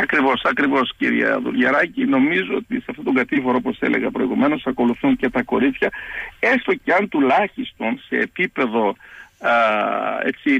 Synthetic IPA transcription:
ɐkɾivo̞sɐkɾivo̞sciɾiɐ̰ðṵlʝɐɾɐcino̞mizuo̞t̪iseɐft̪o̞t̪o̞ŋɡɐt̪ifo̞ɾoopo̞sθe̞̰lʔe̞̰ɣɐpɾo̞iɣume̞no̞sɐko̞luθuɲce̞t̪ɐko̞ɾit͡s̪çɐe̞st̪o̞ceɐnt̪ulɐçist̪o̞nse̞ːpipe̞ðo̞ | e̞̰t͡si

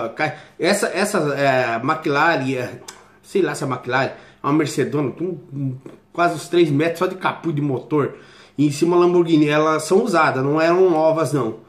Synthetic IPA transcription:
kaɛsɐʔɛsɐzɛmakilaɾiɛ | sejlasɛmakilaɾi | ãmeɾsed̪õnɐt̪ũ | kwazɪʊst̪ɾejzmɛt̪ɾʊsɔd͡ʒɪkapujd̪ɪmot̪oɾ | ẽsĩmɐlɐ̃boɾɡĩnɐɛlɐsɐ̃w̃uzad̪ɐznɐ̃w̃ɛɾɐ̃w̃nɔvɐznɐ̃w̃

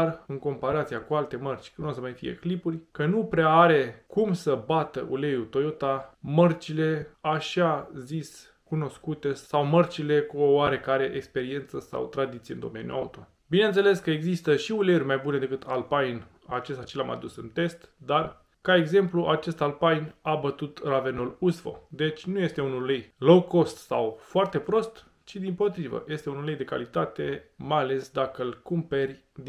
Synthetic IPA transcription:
arɨŋko̞mpaɾat̪siakualt̪e̞mərt͡ʃʲk̪osəmajfḭjḛklipurʲkənupɾeaaɾe̞kumsəbat̪əʔule̞jut̪o̞jot̪amərt͡ʃile̞aʃazis | kuno̞skut̪e̞sawmərt͡ʃile̞kuowaɾe̞kaɾe̞ʔekspe̞ɾie̞nt̪səsa̰wt̪ɾad̪it̪sieɨnd̪o̞̰me̞njṵaut̪o̞̰ | bine̞nt̪se̞le̞skəeɡzist̪əʃiulerʲmajbune̞d̪e̞kɨt̪ʰalpajn | at͡ʃest̪at͡ʃelama̰d̪usɨnt̪e̞st̪d̪ar | kae̞ɡze̞mpluʔat͡ʃe̞st̪alpajnabət̪ut̪rave̞nolusfo̞̰d̪e̞t͡ʃʲnuje̞st̪e̞unullejloko̞st̪sawfoart̪e̞pɾo̞st̪ | t͡ʃid̪impo̞t̪ɾivə̰je̞st̪e̞unulejd̪e̞ka̰lit̪at̪e̞majale̞sd̪akəɨlkumpe̞rʲ | d̪

